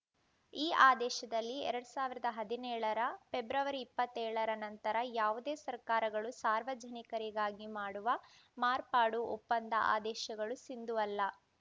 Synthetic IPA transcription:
iːʔaːd̪ɛːʃɐd̪ɐlːiɛ̰ɾɐɽusaːʋiɾɐd̪ɐɦɐd̪inɛːɭɐɾɐpebɾɐʋɐɾiːpːɐt̪ːɛːɭɐɾɐnɐnt̪ɐɾɐjaːʋud̪eːsɐɾkaːɾɐɡɐɭusaːɾʋɐd͡ʒɐnikɐɾiɡaːɡimaːɽuʋɐ | maːɾpaːɽuɔpːɐnd̪ɐ̰ʔa̰ːd̪ɛːʃɐɡɐɭusind̪uʋɐlːɐ

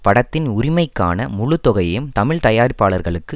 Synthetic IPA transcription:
pɐɽɐt̪ːɪnʊɾɪmɐɪkːa̰ːnɐmʊɻʊt̪ːɔɣɐjɯmt̪ɐmɪɭt̪ɐjaːɾɪpːaːɭɐɾɣɐɭɯkːɯ

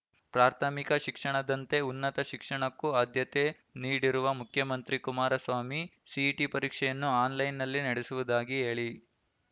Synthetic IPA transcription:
pɾaːɾt̪ʰɐmikɐʃikʂɐɳɐd̪ɐnt̪e̞unːɐt̪ɐʃikʂɐɳɐkːuaːd̪ʱjɐt̪e | niːɽiɾuʋɐmukʰjɐmɐnt̪ɾikumaːɾɐsʋaːmi | siʈipɐɾiːkʂɛjɐnːuaːnlɐjnːɐlːinɐɽesuʋud̪aːɡiɦe̞ːɭi

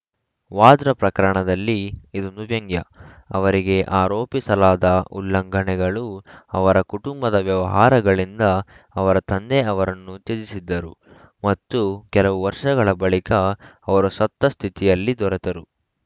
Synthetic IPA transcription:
ʋaːd̪ɾɐpɾɐkɐɾɐɳɐd̪ɐlːiid̪unuʋjɐŋɡjɐɐʋɐɾiɡe̞ʔaːɾoːpisɐlaːd̪ɐulːɐŋɡʱɐɳɛɡɐɭuɐʋɐɾɐkuʈumbɐd̪ɐʋjɐʋɐɦaːɾɐɡɐɭind̪ɐː | ʋɐɾɐt̪ɐnd̪eɐʋɐɾɐnːut̪ed͡ʒisid̪ːɐɾu | mɐt̪ːukɛlɐʋuʋɐɾʂɐɡɐɭɐbɐɭikɐːʋɐɾusɐt̪ːɐst̪ʰit̪ijɐlːid̪ɔɾɛt̪ɐɾu

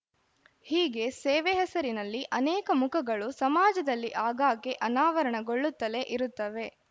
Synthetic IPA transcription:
hiːɡe̞sɛːʋɛɦɛsɐɾinɐlːiʔɐnɛːkɐmukʰɐɡɐɭusɐmaːd͡ʒɐd̪ɐlːiʔaːɡaːkeʔɐnaːʋɐɾɐɳɐɡoɭːut̪ːɐle̞ʔiɾut̪ːɐʋe̞

